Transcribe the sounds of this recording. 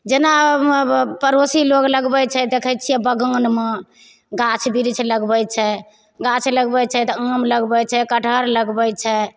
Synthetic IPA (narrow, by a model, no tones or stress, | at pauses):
d͡ʒena | pəɾosiloɡləɡbɛt͡ʃʰɛd̪ekʰəjt͡ʃʰijɛbəɡənme | ɡãt͡ʃʰbiɾt͡ʃʰləɡbəjt͡ʃʰɛ | ɡãt͡ʃʰləɡbɛt͡ʃʰɛt̪ɔəmləɡbɛt͡ʃʰɛkəʈʰəɾləɡbət͡ʃʰɛ